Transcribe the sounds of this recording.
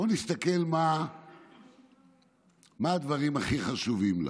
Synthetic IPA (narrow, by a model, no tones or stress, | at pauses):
onist̪ake̞lma | maːd̪vaʁimaχiχaʃuvimla̰